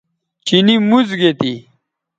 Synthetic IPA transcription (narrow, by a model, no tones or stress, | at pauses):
t͡ɕinimuzɡet̪i